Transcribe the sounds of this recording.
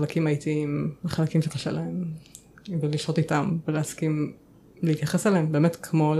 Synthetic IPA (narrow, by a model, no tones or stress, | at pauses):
alakimajitiimleχalakimʃekaʃḛlaem | veliʃotitamveleaskim | leit̪jaχesalehembe̞ːmetkʰmo̞l